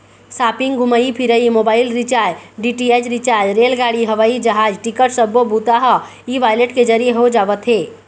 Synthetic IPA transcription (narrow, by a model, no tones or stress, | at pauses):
saːpɪ̃ŋɡɡʱʊməipʰɪɾəimoːbaːɪlɾɪt͡ʃaːd͡ʒɖiːʈieːd͡ʒɾɪt͡ʃaːɾd͡ʒɾeːlɡaːɽiɦɐʋaːid͡ʒɐɦaːd͡ʒʈɪkəʈsɐbobuːt̪aɦa | iːʋaːjleʈkezɐɾieɦod͡ʒaːʋət̪ɦeː